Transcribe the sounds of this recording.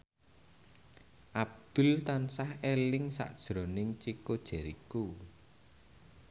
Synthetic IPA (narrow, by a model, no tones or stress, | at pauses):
ʔab̚d̪̥ʊ̤lt̪ansahelɪŋsa̰ʔd̥ʒ̥ɾo̤nɪŋt͡ʃikod̥ʒ̥ɛ̤ɾiku